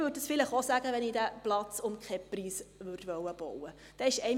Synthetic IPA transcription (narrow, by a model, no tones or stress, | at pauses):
ʋʏt̚dəsfɪlɪχosæːɡ̥əʋɛniːdæplɑt͡sʊmkχɛpriːsvʏrtʋœwəb̥ɔwə | d̥ɛːɪʃɛɪ